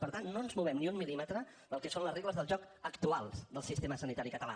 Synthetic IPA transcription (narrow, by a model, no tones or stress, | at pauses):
pəɾt̪annonzmuβ̞ɛmniummilimət̪ɾə | ðəlˠkɛsonləzreɣləzðəlˠʒɔk | əkt̪ualˠzðəlˠsist̪eməsənit̪aɾikət̪əla̰